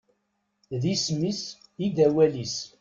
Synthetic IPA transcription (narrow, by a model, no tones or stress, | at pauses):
ðismisid̪æwælis